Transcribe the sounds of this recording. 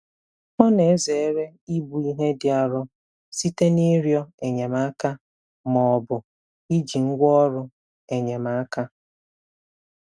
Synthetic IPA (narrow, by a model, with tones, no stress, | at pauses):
mɔ˦ne˨˦ze˨e˦ɾe˦i˦bu˨i˦ɦe˦dɪ˦a˨ɾʊ˦ | si˦te˦ni˦ɾjɔ˦e˨ɲe˨ma˨˦a˦ka˦ | mɔ˨bʊ˨ | i˦d͡ʒi˨ŋ̩˦ɡʷɔ˦ɾʊ˦ | e˨ɲe˨ma˨a˦ka˦